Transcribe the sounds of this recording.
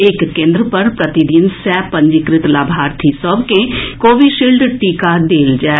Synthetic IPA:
ɪkːẽːnd̪ɾəpəɾpɾət̪ɪd̪ɪnsɛːpə̃ɲd͡ʒɪkɾɪt̪laːbʱaːɾt̪ʰiːsəbkẽːkoːʋiːʃiːlɖʈiːkaːd̪eːld͡ʒɛː

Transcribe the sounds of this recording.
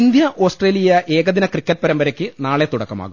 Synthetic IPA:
nd̪jɐʔo̞ːsʈre̞ːlijɐʔe̞ːɣɐðinɐkrikːɐʈ̚ːpɐɾɐmbɐɾɐkʲːɨnaːɭet̪uɽɐkːɐma̰ːɣu

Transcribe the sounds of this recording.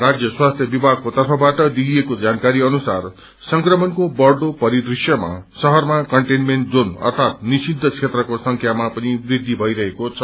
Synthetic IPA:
rad͡zjʌswast̪ʰjʌbibʱaɡ̚kot̪ʌrpʰʌbaʈʌd̪iijekod͡zankaɾiʌnusar | sʌŋkrʌmʌnkobʌrɖopʌɾid̪risjʌma̰sʌɦʌrmakʌɳʈenmenʈ̚d͡zonʌ̰rt̪ʰat̪nisid̪ʱːʌt͡sʰet̪rʌkosʌŋkʰjamapʌnibrid̪ʱːibʱʌiɾʌɦekot͡sʰʌ

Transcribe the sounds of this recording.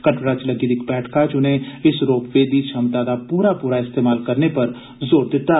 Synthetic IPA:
kəɳʈɾaːt͡ʃləɡiːd̪ɪkbɛːʈʰkʰaːt͡ʃʊnẽːɪsɾoːpʋeːd̪iːt͡ʃʰəmt̪aːd̪aːpuːɾaːpuːɾaːɪst̪eːmaːlkəɾneːpəɾ | zoːɾd̪ɪt̪ːaː

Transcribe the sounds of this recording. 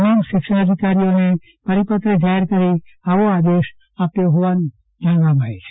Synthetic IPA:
namʃɪkʃəəd̪ʱikaɾijone | pəɾipət̪ɾəd͡ʒaɦeɾkəɾiaʋoad̪eʃ | apjoɦoʋan | dʱaɳʋamaet͡ʃʰe̥

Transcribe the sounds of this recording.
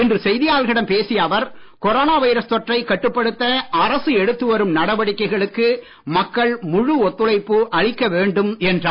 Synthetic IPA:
ɪndrɯsɛjðɪjaːlɣɪɽɐmpeːsɪjɐʋɐɾkɔɾoːnaːʋɐjɾɐst̪ɔʈrɐɪkːɐʈːɯpːɐɽɯt̪ːɐɐɾɐsɯɛɽɯt̪ːɯʋɐɾɯmnɐɽɐʋɐɽɪkːɐɪɣɐɭɯkːɯ | mɐkːɐɭmʊɻɯɔt̪ːɯlɐɪpːɯʔɐɻɪkːɐʋeːɳɖɯmɛndraː

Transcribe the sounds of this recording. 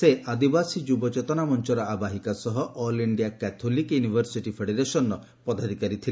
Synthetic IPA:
seʔad̪ibasid͡ʒubɔt͡ʃet̪ɔnamɔnt͡ʃɔɾɔabaɦikasɔɦɔʔɔliɳɖiakɛt̪ʰolikjunibʱɔɾsiʈipʰeɽeɾesɔnːɔ | pɔd̪ad̪ʱikaɾit̪ʰil

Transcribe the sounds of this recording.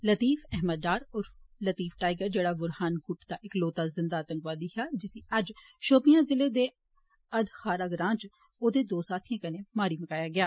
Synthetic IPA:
lət̪iːfɛɦməd̪ːaːɾʊɾflət̪iːfʈaːɪɡəɾd͡ʒeːɽaːʋʊɾhaːnɡʊʈd̪aːʔɪkloːt̪aːzɪ̃nd̪aːt̪ə̃ŋɡʋaːd̪iːɦaːd͡ʒɪsĩɐd͡ʒ | ʃoːpɪjãːzɪleːd̪eː | əd̪xaːɾaːɡɾãːnd͡ʒ | oːd̪eːd̪oːsaːt̪ʰijãːkɐnẽːmaːɾiːməkaːjaːɡɪjaː

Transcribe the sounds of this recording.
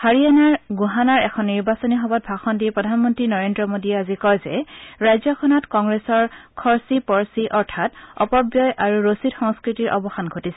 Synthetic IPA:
haɹijanaɹɡuɦanaɹɛkʰɔnːiɹbasɔniɦɔbɔt̚bʱaxɔndipɹɔdʱanmɔntɹinɔɹendɹɔmodiɛazikɔjzɛ̰ɹajzɔkʰɔnɔtkɔŋɡɹesɔɹkʰɔɹsipɔɹsiʔɔɹtʰatɔ̰pɔbjɔjʔaɹuɹositxɔŋskɹitiɹʔɔ̰bɔxanɡʱotisɛ̥

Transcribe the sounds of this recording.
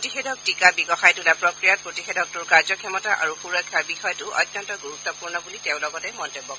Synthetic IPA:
otixɛdɔk̚tikabiɡɔxajtulapɹɔkɹijat̚potixedɔk̚tuɹkaɹzɔkʰɛmɔtaʔa̰ɹuxuɹɔkʰːaɹbixɔjɔtʊʔɔ̰tnjɔntɔɡuɹut̪ːɔpuɹnɔbulitɛʊ̃lɔɡɔtɛmɔntebːɔk

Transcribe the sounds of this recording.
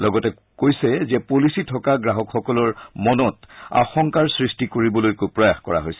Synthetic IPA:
lɔɡɔtɛ | kojsɛzɛpolisitʰɔkaɡɹaɦɔkxɔkɔlɔɹmɔnɔta̰xɔŋkaɹsɹistikoɹibɔlojkopɹɔjaxkɔɹa̰ɦojsɛ

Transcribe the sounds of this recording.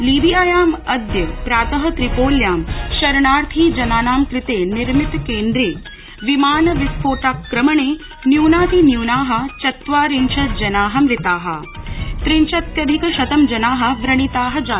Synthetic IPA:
liːʋijaːjaːmɐd̪jɐpɾaːt̪ɐɦɐ̆t̪ɾipoːljaːmʃɐɾɳaːɾt̪ʰiːd͡ʒɐnaːnaːmkɾɪt̪eːniɾmit̪keːnd̪ɾeː | ʋimaːnɐʋispʰoːʈaːkːɾɐmɐɳeː | njuːnaːt̪ʰinjuːnaːɦɐ̆t͡ʃɐt̪ʋaːɾint͡ʃʰɐd͡ʒɐnaːɦɐmɾɪt̪aːɦɐ̰̆ | t̪ɾint͡ʃɐt̪̚kɐd̪ʱikɐʃɐt̪ɐmd͡ʒɐnaːɦɐ̆ʋɾɐɳit̪aːɦɐ̆d͡ʒaː

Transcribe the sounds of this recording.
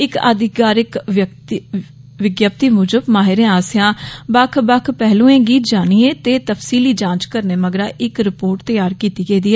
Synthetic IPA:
ɪkə̰d̪ɪkaːɾɪkək | ʋɪɡjəp̚t̪iːmʊd͡ʒəbmaːɦɪɾẽːaːsɪjãːbəkʰbəkʰpɛɦlũːẽːɡiːt̪d͡ʒaːñiːẽːt̪eːt̪əfsiːliːd͡ʒãːt͡ʃkəɾneːməɡɾaːʔɪkɾɪpoːɾʈt̪əjaːɾkiːt̪iːɡeiːd̪iːɛː

